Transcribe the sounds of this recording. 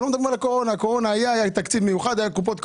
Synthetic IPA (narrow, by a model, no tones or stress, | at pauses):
omed̪ɐbʁimalako̞ʁo̞naːko̞ʁo̞naːjaajat̪akt͡sid̪mejuχad̪ajakupot̪k